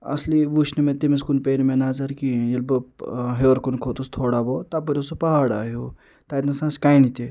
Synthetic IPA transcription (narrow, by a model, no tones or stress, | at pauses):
ɐ̰sliʋuʃʰnimẽt̪imis̬kunpeːnmẽnazɐɾkijɐlbɐɦeɾkunkʰoːt̪ust̪ʰoːɽabot̪ap̬uɾʲosupɐɦaːɽa̰ːɦju | t̪ait̪nɐsãːskaːinit̪i